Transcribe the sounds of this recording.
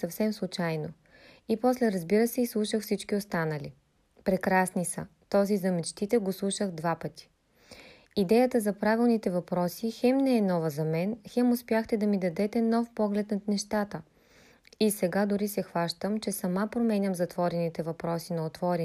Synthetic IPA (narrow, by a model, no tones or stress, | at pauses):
sɐfsɛmslˠʊt͡ʃajno | ipɔslɛɾɐzbiɾəsɛislˠuʃəxfsit͡ʃkiost̪anəlḭ | pɾɛkɾasnisɐ̰ | t̪ɔzizɐmɛt͡ʃt̪it̪ɛɡoslˠuʃəɣd̪vapət̪i̥ | id̪ɛjət̪əzɐpɾavilˠnit̪ɛvɐpɾɔsixɛmnɛɛnɔvəzɐmɛnxɛmʊspjaxt̪ɛd̪ɐmid̪ɐd̪ɛt̪ɛnɔfpɔɡlɛt̪nɐt̪nɛʃt̪at̪ə | isɛɡad̪ʊɾisɛxvaʃt̪əmt͡ʃɛsɐmapɾomɛnʲɐmzɐt̪vɔɾɛnit̪ɛvɐpɾɔsinɐot̪vɔɾʲɛ